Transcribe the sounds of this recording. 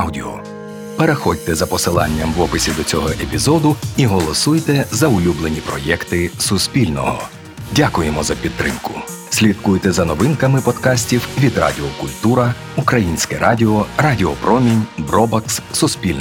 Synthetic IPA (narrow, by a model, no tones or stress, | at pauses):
wdʲḭɔ̰ | peɾexɔdʲt̪ɛzɐpɔsɪlˠɑ̰nʲːɐmʋɔpɪsʲid̪ɔt͡sʲɔɦɔʔepʲizɔd̪ʊiɦɔlˠɔsujt̪ɛzɐʊlʲublˠenʲipɾɔjɛkt̪ɪsʊspʲilʲnɔ̰ɦɔ̰ | dʲakʊjemɔzɐpʲidt̪ːɾɪmkʊ | sʲlʲit̪̚kujt̪ɛzɐnɔʋɪnkɐmɪpɔd̪kɑsʲtʲiwʋʲid̪rɑ̰dʲɪɔkʊlʲt̪uɾɐ | ukɾɐjinʲsʲkɛɾɑdʲɪɔradʲɪɔpɾɔmʲinʲbɾɔbɐksːʊsʲpʲilʲn